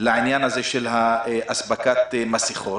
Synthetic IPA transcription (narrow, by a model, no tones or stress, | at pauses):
laʕinjanhazeʃelɦaʔasbakat̪masiχo